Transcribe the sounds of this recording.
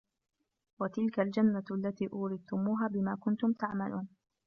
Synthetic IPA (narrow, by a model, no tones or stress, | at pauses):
wat̪ɪlkald͡ʒanːaalːat̪iːʔʊːɾɪd̪̚t̪ʊmuːɦaːbɪmaːkʊnt̪ʊmt̪aʕmalʔuːn